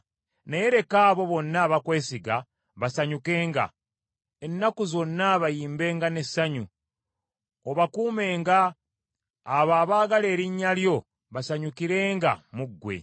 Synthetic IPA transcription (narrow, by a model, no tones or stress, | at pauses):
neje̞ɾe̞kaːβo̞βo̞nːaβakwe̞ːsiɡa | βasaɲuke̞ːŋɡa̰ | e̞nːakuzo̞nːaβajiːmbe̞ːŋɡane̞saɲu | oβakuːme̞ːŋɡaː | βaːβaːɡale̞ːɾiɲːaljo̞ | βasaɲukiɾe̞ːŋɡa̰muɡːwe̞̰